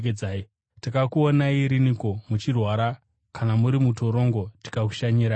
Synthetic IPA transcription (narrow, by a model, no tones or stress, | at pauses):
ked͡zaːi | takakuonaiɾiniko̞mut͡ʃirwaɾa | kanamuɾimuto̞ɾo̞ŋɡo̞ti̥kaku̥ʃaɲiɾa